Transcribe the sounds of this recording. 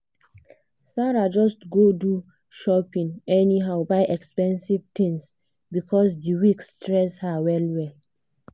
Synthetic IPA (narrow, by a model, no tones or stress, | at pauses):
saɹad͡ʒɔstɡodu | ʃɔpĩŋɛniɦaʊbaɪʔɛkspɛ̃nsivtĩŋs | bikʰɔs̬diwikstɹɛshawɛlwɛl